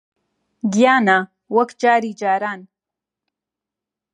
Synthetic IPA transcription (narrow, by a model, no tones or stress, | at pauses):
ɡjaːna | wɐkd͡ʒaːɾiːd͡ʒaːɾaːn